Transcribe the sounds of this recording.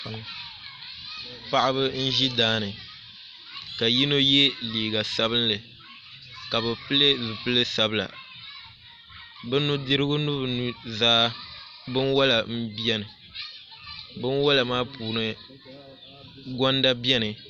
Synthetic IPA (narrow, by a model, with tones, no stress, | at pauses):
pa˦˨ʔɪ˦bɨ˦n̩˦ʒi˦daː˦nɨ˨ | ka˨ji˦no˦je˦liː˨ɡa˨sa˦bɨ˦nlɨ˨ | ka˨bɨ˨pɨ˦le˦zu˨pɨ˦lɨ˦sa˨bɨ˦la̰˨ | bɨ˦nu˦dɨ˦ɾɨ˦ɡʊ˦nu˦bɨ˨nu˨zaː˦ | bɨ˦nwa˦la˨m̩˦bɛ˦nɨ˨ | bɨ˦nwa˦la˨maː˦puː˨nɨ˦ | ɡɔ˦nda˦bɛ˦nɨ˨